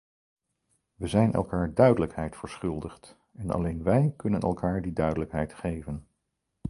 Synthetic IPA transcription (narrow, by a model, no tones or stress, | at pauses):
ʋəzɛjnʔɛ̰lˠkaːɹdœɥdələkɦɛjtfəɹsχʏlˠdəχt | ɛnɑ̰lejnʋɛjkɵnənɛ̰lˠkaːɹdidœɥdələkɦɛjtχejvən